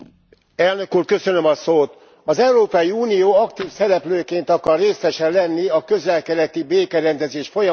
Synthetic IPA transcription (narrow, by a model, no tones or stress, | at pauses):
ɛlnø̞kuːrkø̞sø̞nø̞mɒsoːt̪ | ɒzɛuɾoːpɒjiuːnijoːɒkt̪iːfsɛɾɛpløːkeːnt̪ɒkɒrːeːsɛʃɛllɛnːiɒkø̞zɛlkɛɾɛt̪ibeːkɛɾɛnd̪ɛzeːʃfo̞jɒ